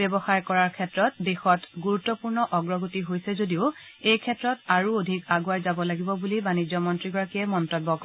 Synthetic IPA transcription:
bɛbɔxaɹkɔɹaɹkʰɛtɹɔt̚dexɔtɡuɹutːɔpuɹnɔʔɔɡɹɔɡutiɦojsɛzodiʊ | ejkʰɛtɹɔtaɹuodʱikaɡuajzabɔlaɡibɔbulibanizɔmɔntɹiɡɔɹakiɛmɔntɔbːɔk

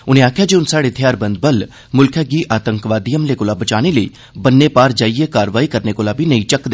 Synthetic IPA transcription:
ʊnẽːaːkʰjaːd͡ʒeːʊnsaːɽeːt̪ʰɪjaːɾbənd̪̚bəl | mʊlkʰjaːɡiːʔaːt̪əŋkʋaːd̪ijəmleːkoːlaːbət͡ʃaːɽ̃eːləḭː | bənːeːpaːɾd͡ʒaːieːkaːɾʋaːiːkəɾneːkoːlaːbʱiːnəĩːt͡ʃəkd̪e

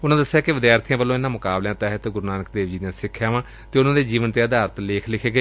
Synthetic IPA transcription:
ʊnãːd̪əsːejaːkɪʋɪd̪jaːɾt̪ʰijãːbəlːõːɪnãːmʊkaːbljãːt̪ɛːɦət̪ɡʊɾnaːnəkd̪eːʋd͡ʒiːd̪ãːsɪkʰːjaːʋãː | t̪eːʊnãːd̪eːd͡ʒiːʋənt̪eːəd̪aːɾət̪leːkʰlɪkʰeːɡeː

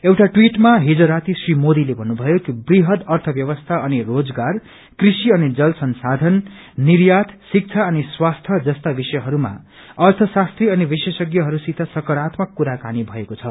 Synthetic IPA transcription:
ewʈaʈwiʈmaɦid͡zoɾat̪isrimod̪ilebʱʌnːubʱʌjokibriɦʌd̪ʌrt̪ʰʌbjʌβʌst̪ʰaʌnirod͡zɡar | krisiʌnid͡zʌlsʌnsad̪ʱʌn | niɾjat̪ʰsik̚t͡sʰaʌniswast̪ʰʌd͡zʌst̪abisʌjɦʌɾuma̰ | ʌrt̪ʰʌsast̪riʌnibisesʌɡjʌɦʌɾusit̪ʰʌsʌkʌɾat̪makuɾakanibʱʌekot͡sʰʌ

